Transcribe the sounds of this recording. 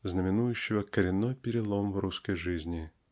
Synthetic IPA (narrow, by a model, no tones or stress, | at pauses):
znəmʲɪnujʉɕːɪvəkəɾʲɪnːojpʲɪɾʲɪlˠomvruskəjʐɨzʲnʲɪ